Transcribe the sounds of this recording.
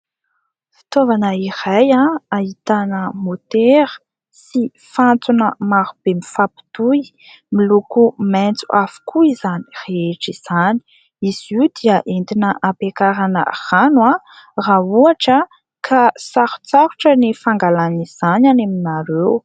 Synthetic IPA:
fi̥t̪ovanəirajãait̪anəmot̪eɾə̥ | si | fant͡sunəmaɾub̥emifapi̥t̪uj | milukument͡suʔafu̥kʰuizani̥reeʈ͡ʂiz̥ani̥ | iz̥iud̪̥iəʔend̪inəʔapekaɾanə̰r̥anwa | rauaʈ͡ʂə | kʰasaɾu̥t͡saɾuʈ͡ʂənifaŋɡalaniz̥ananaminaɾew

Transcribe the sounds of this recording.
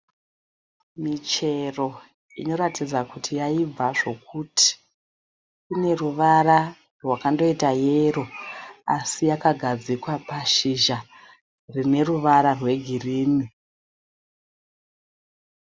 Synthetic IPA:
mit͡ʃe̞ro̞ | ino̞ɾatid͡zakutʰijaib͡vaʐo̞k̚ʰutʰi̥ | une̞ruʋaɾa | rwakando̞itajero̞a̰sijakaɡʱad͡zikwapaʃiʒa | rine̞ruʋaɾarwe̞ɡʱiriːni

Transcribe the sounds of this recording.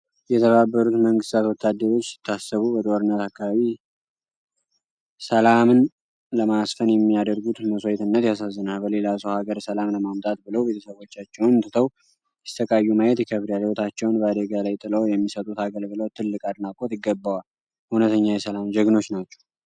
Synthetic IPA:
jɛt̪ʰəβabːəɾut̪məŋɡɨst̪ʰat̪wɔt̪ʰːad̪ːəɾo̞t͡ʃːsɪ̥t̪ʰːasːəβubət̪ʼwoɾɨnːət̪akːaβaβi | səlamɨn | ləmasfənjɛmːijad̪əɾɡut̪məsojt̪ʰɨnːət̪jas̬azːɨnalbəle̞lasəwhaɡəɾsəlamləmamt̪ʼat̪̚bɨləwbe̞t̪ʰə̥səβo̞t͡ʃːat͡ʃːɛwnt̪ʰɨt̪ʰəw | jɛ̥st̪ʰəkʼajːumajɛt̪jɛkʰəβɾjaliwot̪ʰat͡ʃːɛwnbəad̪əɡalajt̪ʼɨləwjɛmːisət̪ʼut̪haɡəlɡɨlot̪ʰɨlːɨkʼad̪nakʼot̪ɪɡːəbːawal | hunət̪ʰəɲːajɛsəlamd͡ʒəɡno̞t͡ʃːnat͡ʃːɛ̥w

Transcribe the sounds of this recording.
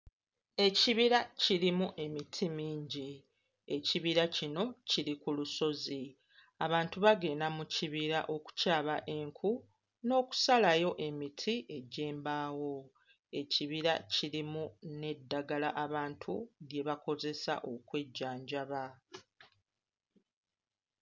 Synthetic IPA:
e̞ciβiɾaciɾimuʔe̞mitʰimiːɲɟi | e̞ciβiɾacino̞ciɾikuluso̞zi | aβaːntuβaɡe̞ːnamuciβiɾaʔo̞ku̥caːβaʔe̞ŋkʰu | no̞ːku̥salajo̞ʔe̞mitʰie̞ɟe̞ːmbaːwo̞ | e̞ciβiɾaciɾimune̞dːaɡalaʔaβaːntʰudje̞βako̞ze̞sa̰ʔo̞kwe̞ɟːaːɲɟaβa

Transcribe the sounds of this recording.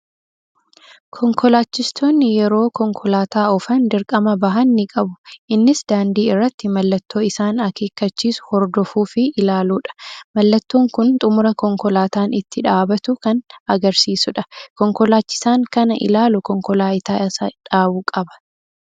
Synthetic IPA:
kʰɔŋkɔlaːt͡ʃːɪst̪ʰo̞ːnːɪjɛɾo̞ːkɔŋkʰɔlaːt̪aːɔfɐnd̪ɪɾkʼɐmɐbɐɦɐnːɪkʼɐbʊʔɪnːɪsd̪aːnd̪iːɪrːɐt̪ːɪmɐlːɐt̪ːo̞ːɪsaːnɐke̞ːkːɐt͡ʃːiːsʊ̥hɔɾd̪ɔfuːfɪɪlaːluːᶑɐ̥mɐlːɐt̪ːo̞ːŋkʊnt̪ʼʊmʊɾɐkɔŋkɔlaːt̪aːnɪt̪ːɪᶑaːbɐt̪ʊkɐnɐɡɐɾsiːsʊᶑɐkɔŋkɔlaːt͡ʃːɪ̥saːŋkɐnɐʔɪ̰laːlʊkɔŋkɔlaːɪt̪aːɐsɐᶑaːbʊkʼɐbɐ̥

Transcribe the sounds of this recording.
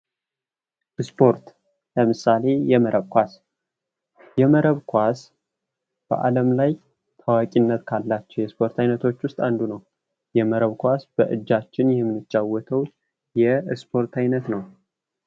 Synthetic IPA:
spʰo̞ɾt̪ | ləmɨsale̞jɛməɾəβkʷas | jɛməɾəβkʰʷas | b̥ə̰ʔa̰ləmlaj | t̪ʰawakʼinːət̪kʰalːat͡ʃːɛwjɛspʰo̞ɾt̪ʰajnət̪ʰo̞t͡ʃːwʊst̪ʼand̪unəw | jɛməɾəβkʷasb̥əʔɨ̰d͡ʒːat͡ʃːɪnjɛmːɨnɨt͡ʃːawɔt̪ʰəw | jɛspʰo̞ɾt̪ʰajnət̪nəw

